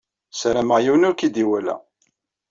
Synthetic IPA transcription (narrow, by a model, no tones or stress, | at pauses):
sɾæməʁjiwnʊɾkid̪iwælæ̰